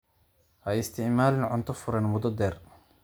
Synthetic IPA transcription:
ʔɐɪst̪ʰɪʕmaːlɪnʕʊnt̪ʰɔfʊɾɐnmʊd̪ɔd̪ɛːr

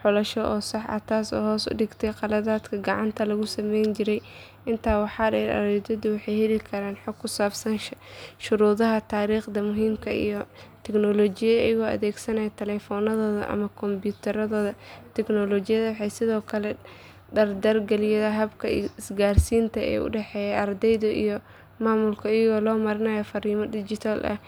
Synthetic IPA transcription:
ħʊlɐʃɔʔɔːsɑħʔɐ̰t̪ʰaːsɔ̰ːɦhɔːsʊ̰ɖɪɡt̪ʰɛjqɑlɐðaːd̪kʰɐɡɑʕɑnt̪ʰɐlɐɣʊsɐmɛjnt͡ʃɪɾɛj | ʔɪnt̪ʰaːwɑħɑːdɐɐ̰ɾɛd̪ɐðiwɑħɑjhɛlɪkʰɐɾaːnħɔɡkʰːʊsaːbsɐnʃʃʊɾuːðɐɦɐt̪ʰaːɾiːχd̪ɐmʊɦiːmkʰɐḭjɞt̪ʰɛɡnɔlɔːt͡ʃɪjɐ̰ːjɐɣɔːɐ̰ðɛːɡsɐnɐjɐt̪ʰɛlɛːfɔːnɐðɔːðɐ̰ʔɐ̰mɐkʰɔmbjuːt̪ʰɐɾɐðɔːðɐt̪ʰɛɡnɔlɔːt͡ʃɪjɐðɐwɑħɑjsɪðɔːkʰɐlɛ | ɖɐrd̪ɐrɡɐlɪjɐðɐɦɐbkʰɐɪsɡaːrsiːnt̪ʰɐɛ̰ːʊ̰ɖɛħɛːjɛɐrd̪ɛjðɔʔḭjɔ | maːmʊlkʰɐːjɐɣɔːlɔːmɐɾɪnɐjɔfɐɾiːmɐɖɪd͡ʒɪt̪ʰalʔɐ̰h

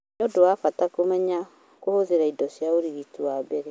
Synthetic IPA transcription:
nodowafatakomɛɲa | kohoðeɾaidɔsjaoɾiɣituwabɛɾe

